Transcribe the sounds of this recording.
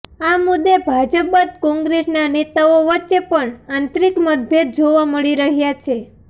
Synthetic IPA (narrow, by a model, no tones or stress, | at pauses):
amud̪ːebʱad͡ʒəpbət̪kɔ̃ŋɡɾesnanet̪aoʋətːʃepəɳãnt̪ɾikməd̪̚bʱjed̪̚d͡ʒoʋaməɭiɾəɦjat͡ʃʰe